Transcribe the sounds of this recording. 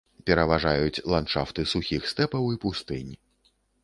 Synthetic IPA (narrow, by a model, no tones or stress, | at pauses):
pʲɛɾɐvaʐajut͡sʲlˠant͡ʂaft̪ɨsuxʲixst̪ɛpɐwipust̪ɨnʲ